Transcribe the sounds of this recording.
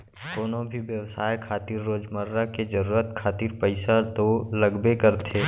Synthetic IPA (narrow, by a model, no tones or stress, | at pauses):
d̪oːnobʱiʋjəʋsaːjkʰaːt̪iːɾːoːd͡ʒməɾːaked͡ʒɐɾuːɾət̪kʰaːt̪iːɾpəɪsad̪olɐɡbekəɾt̪ʰeː